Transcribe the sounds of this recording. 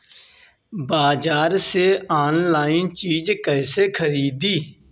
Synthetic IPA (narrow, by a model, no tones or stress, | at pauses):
baːd͡ʒaːɾseːaːnlaːint͡ʃiːd͡ʒkəɪseːkʰəɾiːd̪iː